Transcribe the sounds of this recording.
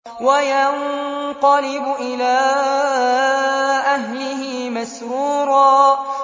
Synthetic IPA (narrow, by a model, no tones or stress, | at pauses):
wajaɴqɑlɪbʊʔɪlaː | ʔaɦlɪɦiːmasɾuːɾɑː